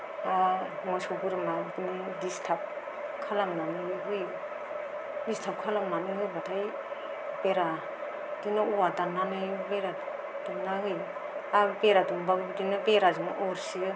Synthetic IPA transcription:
amɔjsɔɡɯɾɯmadinɯdistʰap̚ | kʰalamnanɯɦɯj | distʰap̚kʰalamnanɯɦɯjbatʰaj | b̥eɾa | dinauwadanːanɯbeɾa | d̥umnaɦɯj | abeɾadumbaɡbdinɯbeɾazinaʔɔɾsi

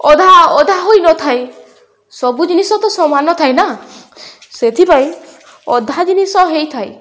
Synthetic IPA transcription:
ɔd̪ʱaɔd̪ʱaɦojnɔt̪ʰaj | sɔbud͡ʒinisɔt̪ɔsɔmanɔt̪ʰajna | set̪ʰipaĩ | ɔd̪ʱad͡ʒinisɔɦejt̪ʰaj

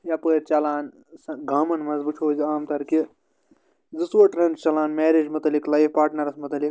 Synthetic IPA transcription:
jɐpəːɾʲt͡ʃɐlaːn | sɐɡaːmɐnmɐzbɨt͡ʃʰoːziaːmt̪ɐɾki | d͡zɨsʋɐʈɾɐnt͡ʃɐlaːnmɛːɾed͡ʒmɐt̪ɐliklɐjfpaːɾʈnɐɾɐsmɐt̪ɐlik

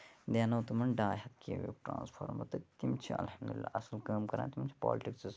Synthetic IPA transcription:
d̪eːnɐwt̪umɐnɖaːɦɐt̪̚kḛːʋo̰kʈɾã̰ːnspʰo̰ːɾmɐt̪ɐt̪imt͡ʃʰiɐ̰lhɐmd̪ulilːa̰ːʔɐsɐlkɐːmkɐɾã̰ːt̪imt͡ʃʰi̥pɔ̰ːliʈiksɐz

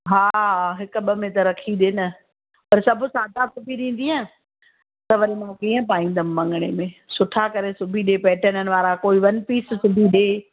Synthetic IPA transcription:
ɦaːɦɦɪkɓəmẽt̪ɐɾɐkʰiɗɪnɪ̆ | pɐɾsɐbʱʊsaːd̪ʱasʊbʱiɗĩːn̆d̪iãː | t̪ɐʋɐɾimãkiːə̃paːĩːnd̪əmːɐ̃ŋɡɽ̃emẽsʊʈʰakɐɾesʊbʱiɗepɛːʈənənɪ̆ʋaːɾakoːiʋɐnpiːssʊbʱiɗeː

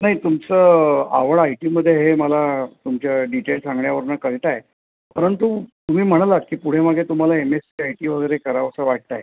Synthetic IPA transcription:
naɦit̪umt͡səaʋəɭajʈiməd̪ʱːjeɦeməlat̪umt͡ɕjaɖiʈelsãŋɡɳjaʋəɾnəkəɭʈ̪aje | pəɾənt̪ut̪um̤iːm̤əɽ̃lakiːpuɽ̤eməɡet̪um̤alaemesiajʈiʋ̤əɡəjɾekəɾaʋsəʋaʈ̚t̪aj

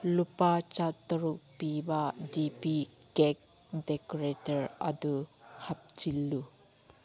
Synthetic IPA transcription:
lupat͡ʃat̪ɔɾuk̚pibadipikɛk̚ | dekɔɹetəɹa̰d̪uhap̚t͡ʃilːu

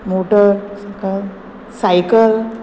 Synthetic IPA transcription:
moʈəɾsaka | sajkəl

